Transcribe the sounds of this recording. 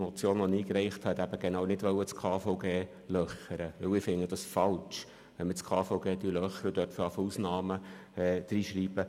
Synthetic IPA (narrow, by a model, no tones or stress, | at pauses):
mɔt͡sjoːnʋɔniːkrɛɪχthɛt̪æb̥əɡ̥enɑːwnɪdʋœwət͡skʰɑːfɔʊɡeː | lœχəɾəʋɵwɪfɪnːəd̥̪ɑsfɑlt͡ʃ | ʋɛnmət͡skʰɑːfɔʊɡeːd̪ylœχəɾəd̥̪œtfɾɑfəusnɑːməɛd̥ɾiːʃɾiːb̥ə